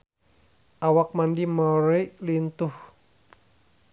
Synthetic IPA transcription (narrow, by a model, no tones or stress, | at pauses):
ʔawak̚mandiməɾoiʔlint̪ʊh